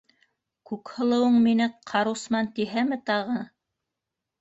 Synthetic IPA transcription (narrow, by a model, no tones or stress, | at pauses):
kʉkhɤ̆lˠɤ̆wɤɴminɘqʰɑɾusmɑnt̪iɦæmɘt̪ɑʁɤ